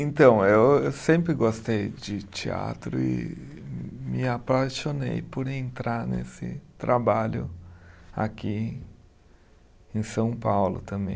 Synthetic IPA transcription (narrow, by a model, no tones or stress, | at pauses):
ẽnt̪ɐ̃w̃ewewsẽmpɾɪɡost̪ejd͡ʒɪt͡ʃia̰t̪ɾʊɪ̰ | mɪapaʃonejpoɾẽnt̪ɾaɾnḛsɪt̪ɾʔabaʎʊ̰ | a̰ki | ẽj̃sɐ̃w̃pawlʊ̰t̪ɐ̃mbẽj̃